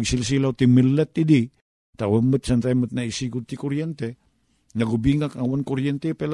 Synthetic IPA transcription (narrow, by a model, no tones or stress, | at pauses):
ɡisils̬ilaut̪imilːɛt̪̚ːidi | t̪awamət̪̚sant̪amət̪̚naisiɡut̪ikɔɾiɛnt̪ɛ | ŋaɡubiŋɡakawankɔɾiɛnt̪ɛpɛl